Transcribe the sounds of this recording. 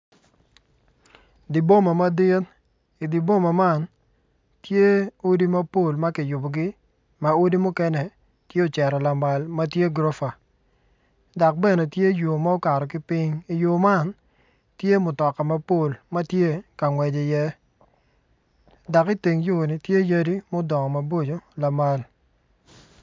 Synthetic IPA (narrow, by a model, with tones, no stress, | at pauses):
di˨bo˦ma˨ma˦dɪ˦t | i˨di˨bo˦ma˨ma˦˨n | tje˦o˦di˦ma˦po˦˨lma˦kɪ˨jʊ˨bo˨ɡɪ˦ | ma˨o˦di˦mʊ˦kɛ˦nɛ˨ | tje˦o˨t͡ʃɛ˨ɾɔ˨la˨ma˨lma˦tje˦ɡɾo˦fa˨ | da˨k̚bɛ˦ne˨tje˦jo˨ma˦o˦ka˨ɾɔ˨k̬ɪ˦pɪ˦ɲi˨jo˨ma˦˨n | tje˦mʊ˨tɔ˨ka˨ma˦po˦˨lma˦tje˦ka˨ŋwɛ˨d͡ʒe˨jɛ˦ | da˨kɪ˦ti˨ŋjo˦˨nɪ˨tje˦ja˦di˦mo˦dɔ˨ŋɔ˨ma˨bo˦d͡ʒo˨la˨ma˦l